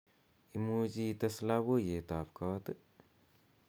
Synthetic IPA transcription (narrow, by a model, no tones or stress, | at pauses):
imuːd͡ʒit̪ɐslabojet̪aːpkʰat̪ɨ